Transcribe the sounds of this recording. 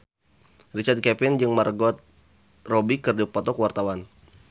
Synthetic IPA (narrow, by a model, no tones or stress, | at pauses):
rit͡ʃart̪̚kɛpɪnd͡ʒɨŋmərɡɔt̪̚ | robikɨrdipɔt̪ɔkəwart̪awan